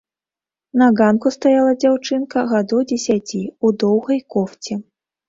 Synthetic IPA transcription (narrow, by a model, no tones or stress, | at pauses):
nɐɣankust̪ajalˠɐd͡zʲawt͡ʂɨnkɐɣad̪ɔwd͡zʲɛsʲat͡sʲiud̪ɔwɣɐjkɔft͡sʲɛ